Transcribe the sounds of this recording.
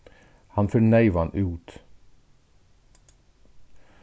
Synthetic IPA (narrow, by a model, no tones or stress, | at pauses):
hɑnfœːnæɪʋɑnʔʉːt̪